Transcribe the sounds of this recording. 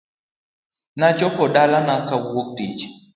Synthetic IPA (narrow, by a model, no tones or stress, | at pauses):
nad͡ʒɔpɔɗalanakawok̚tid͡ʒ